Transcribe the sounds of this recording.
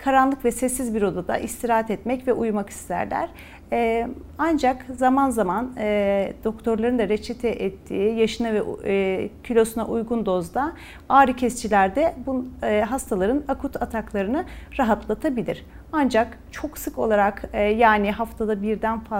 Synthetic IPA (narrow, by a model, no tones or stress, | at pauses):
kʰaɾanlˠɯkvɛsɛsːizbiɾo̞d̪ad̪a̰ʔist̪ʰiɾaɦat̪ɛt̪mɛcvɛʔujmaki̥st̪ʰæ̰ɾlʲæ̰ɾ̥ | and͡ʒakzamanzamand̪̥o̞kt̪ʰo̞ɾlˠaɾɯnd̪aɾet͡ʃʰɛt̪ʰɛʔɛt̪ʰːiːjaʃɯnavɛ | cʰylʲo̞sunaʔujɡund̪o̞zd̪a | aːɾɯcʰɛst͡ʃʰilʲæɾd̪ɛbuɦast̪ʰalˠaɾɯnakʰut̪ʰat̪ʰaklˠaɾɯnɯɾaɦat̪lˠat̪ʰabilʲḭɾ̥ | and͡ʒak | t͡ʃʰo̞ksɯko̞lˠaɾakjaːniɦaft̪ʰad̪abiɾd̪ænfa